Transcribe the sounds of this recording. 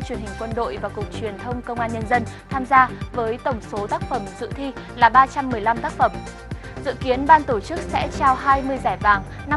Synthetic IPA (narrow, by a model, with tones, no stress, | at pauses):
t͡ɕwi˨˩ənhï˨˩ŋ̟kwə˧nɗo̰˧˨jvaː˨˩kʊ˨˩k͡pk̚t͡ɕwi˨˩ənt̪ʰə˧wŋ͡mkə˧wŋ͡mʔaː˧nɲə˧nzə˧nt̪ʰaː˧mzaː˧vəː˨˦jt̪ə˧˩wŋ͡mso˨˦t̪aː˦˥k̚fə˧˩msɨ̰˧˨t̪ʰi˧laː˨˩ɓaː˧t͡ɕa˧mːɨ˨˩əjla˧mt̪aː˦˥k̚fə˧˩m | zɨ̰˧˨ki˨˦ənɓaː˧nt̪o˧˩t͡ɕɨ˦˥k̚sɛ̰˧˥t͡ɕaː˧wɦaː˧jmɨ˧əjzaː˧˩jvaː˨˩ŋ | na˧